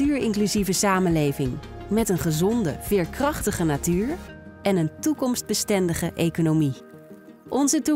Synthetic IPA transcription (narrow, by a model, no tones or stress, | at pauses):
yːɹɪŋklyzivəsaːmənlejvɪŋmɛtənχəzɔndə̰v̥ɪːɹkrɑχtəχənatyːɹɛnəntukɔmsd̚bəstɛndəχəʔejkonowmi | ʔɔnzətu